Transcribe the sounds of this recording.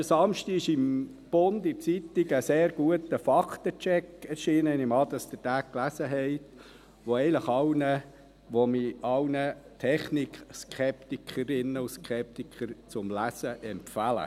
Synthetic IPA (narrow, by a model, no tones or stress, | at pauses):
əsɑmʃtiɪʃɪm | b̥ʊnd̪ɪt͡sit̪ːiɡəseːɾɡ̥uətəfɑkt̪ət͡ʃɛkɛɾʃiːnəɪnɪmɑd̪əsd̥̪ətæːkklæsəɦɛɪt | ʋoɛɪləχɑwnə | ʋomiɑwnət̪ʰɛχnikskχɛpt̪ikʰəɾɪnːəʊskʰχɛp̚t̪ikχəɾt͡sʊmlæsəʔɛmpfælə̰